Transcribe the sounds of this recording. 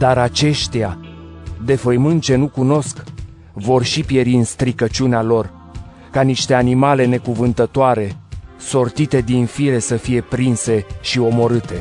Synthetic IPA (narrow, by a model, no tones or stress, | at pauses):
d̪aɾat͡ʃe̞ʃt̪ea | d̪e̞fəjmɨnt͡ʃe̞nukuno̞sk | vo̞rʃipje̞ɾinst̪ɾikət͡ʃunealo̞r | kaniʃt̪e̞animale̞ne̞kuvɨnt̪ət̪oaɾe̞so̞rt̪it̪e̞d̪infiɾe̞səfije̞pɾinse̞ʃio̞mo̞ɾɨt̪e̞